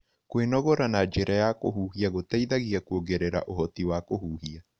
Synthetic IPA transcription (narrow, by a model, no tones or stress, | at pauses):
kwenɔɣɔɾanad͡ʒeɾajakoɦuːhiaɣotɛiðaɣiakuoɣeɾeɾa̰ʔoɦɔtiwaːkoɦuːhia